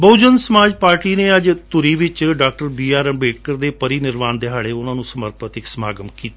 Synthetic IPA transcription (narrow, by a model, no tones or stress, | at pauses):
bəːd͡ʒənsəmaːd͡ʒpaːɾʈiːneːəd͡ʒt̪ʊɾiːʋɪt͡ʃɖaːk̚ʈəɾbiːaːɾəmbeːʈ̚kəɾd̪eːpəɾiːnɪɾmaːnd̪eɦaːɭeːʊnãːnũːsəməɾpət̪ɪksma̰ːɡəmkiːt̪a